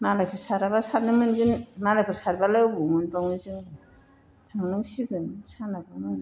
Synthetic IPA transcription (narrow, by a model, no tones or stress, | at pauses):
malajkʰɯsaɾabasanɯmɯnɡɯnmalajkʰɯsaɾbalajbuŋɯndɔŋnɯzɯŋbɯ | tʰaŋnuŋsiɡɯnsʰanaɡamɯn